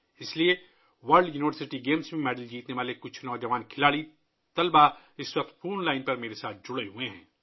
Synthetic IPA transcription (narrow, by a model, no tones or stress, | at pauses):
ɪslie | ʋɐɾlɖjuːniʋəɾsɪʈiɡeːmsmẽmɛːɖəld͡ʒiːt̪neʋaːlekʊt͡ʃʰnɔːd͡ʒɐʋaːnkʰɪlaːɽi | t̪ɐlba | ɪswɐq̚t̪fʰoːnlaːɪnpɐɾmeːɾesaːt̪̚ʰd͡ʒʊɽeɦueɦɛ̰̃ː